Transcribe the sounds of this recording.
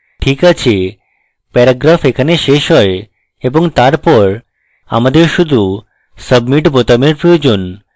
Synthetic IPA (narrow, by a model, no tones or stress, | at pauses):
ʈʰikat͡ɕʰe | pɛɾaɡɾafekʰaneʃeʃɦɔe | eboŋt̪aɾpɔɾ | a̰mad̪eɾʃud̪ʱu | səbmiʈbot̪ameɾpɾojod͡ʑon